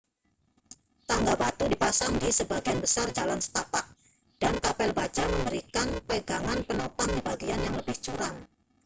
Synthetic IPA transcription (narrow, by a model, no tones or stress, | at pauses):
t̪aŋɡabat̪udipasaŋdisəbaɡianbəsard͡ʒalansə̥t̪apaʔ̚ | d̥ankapɛlbad͡ʒaməmbəɾikanpəɡaŋanpənopaŋdibaɡianjaŋləbɪht͡ʃuɾan